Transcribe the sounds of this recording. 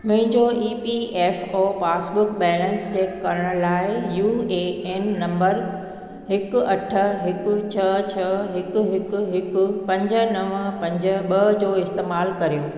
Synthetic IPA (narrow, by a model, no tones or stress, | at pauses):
mʊ̃ɦɪ̃ɲd͡ʑoʔiːpieːfoːfaːsbʊkbɛːlə̃nst͡ɕeːkːɐɾəɽ̃laːɪjuːeːenːɐ̃mbəɾ | ɦɪkɐʈʰə̆ɦɪk̆t͡ɕʰɐt͡ɕʰɐɦɪkɦɪkɦɪkʊpɐ̃ɲd͡ʑə̆nɐʋəpɐ̃ɲd͡ʑə̆ɓɐd͡ʑoːɪst̪eːmaːlkɐɾijoː